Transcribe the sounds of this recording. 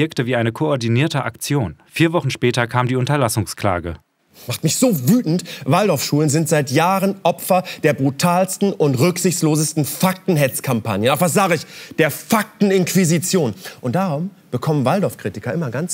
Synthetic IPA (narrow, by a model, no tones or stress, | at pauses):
ɛɐktəviːʔaɪnəkʰoɔɐdiniːɐtəʔa̰kt͡sjoːnfiːɐvɔχn̩ʃpɛːtɐkʰaːmdiːʊntɐlasʊŋskl̥a̰ːɡə̰ | maχtmɪçz̥oːvyːtn̩tvaldɔʊfʃuːlənzɪntz̥aɪtjaːʁənʔɔpfɐd̥eːɐbʁutʰaːlstn̩ʊntʁʏkz̥ɪçtsloːzəstn̩fak̚tn̩ɦɛt͡skʰampa̰njənʔaʊxfvas̬z̥aːɡəɪçd̥eːɐfak̚tn̩ɪnkv̥izit͡sjoːnʔʊnt̚d̥aːʁʊm | b̥əkʰɔmənvaldɔɐfkʁ̥iːtɪkɐʔɪmɐɡant͡s